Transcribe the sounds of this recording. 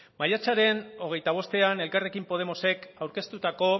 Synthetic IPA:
maʎat͡ʃaɾe̞no̞ɣ̞e̞jt̪aβ̞o̞st̪e̞ane̞lkare̞kimpo̞ð̞e̞mo̞se̞kawɾke̞st̪ut̪ako̞

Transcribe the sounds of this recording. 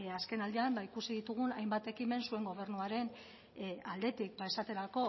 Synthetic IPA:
aske̞nald̪eambaikusiðit̪uɣ̞unajmbat̪e̞kime̞nsue̞ŋɡo̞β̞e̞ɾrnuaɾe̞n | ald̪e̞t̪ik̚bae̞sat̪e̞ɾako̞

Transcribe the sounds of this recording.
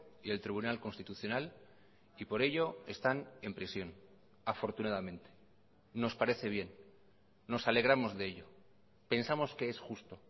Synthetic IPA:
ie̞lt̪ɾiβunalko̞nst̪it̪uθjo̞nal | ipo̞ɾe̞ʎo̞e̞st̪ane̞mpɾisjo̞n | afo̞ɾt̪unaðamẽ̞nt̪e̞̥ː | o̞spaɾe̞θe̞β̞je̞nː | o̞sale̞ɣ̞ɾamo̞zðe̞eʎo̞ | pe̞nsamo̞ske̞esxust̪o̞

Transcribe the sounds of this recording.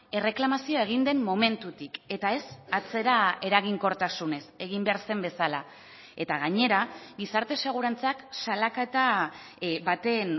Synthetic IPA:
e̞re̞klamasioe̞ɣ̞ind̪e̞mːo̞me̞nt̪ut̪ike̞t̪ae̞sat͡se̞ɾae̞ɾaɣ̞iŋko̞ɾt̪asune̞se̞ɣ̞imbe̞aɾse̞mbe̞sala | et̪aɣ̞aɲe̞ɾaɣisaɾt̪e̞se̞ɣ̞uɾant͡saksalaket̪a | bat̪e̞n

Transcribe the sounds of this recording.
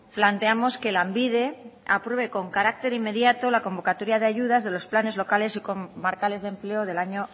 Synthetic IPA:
plant̪eamo̞ske̞lambið̞e̞apɾwe̞βe̞ko̞ŋkaɾak̚t̪e̞ɾimːe̞ðjat̪o̞lako̞mbo̞kat̪o̞ɾjað̞eaʝuð̞azðe̞lo̞splane̞zlo̞kale̞sikomaɾkale̞zðe̞mple̞oð̞e̞laɲo

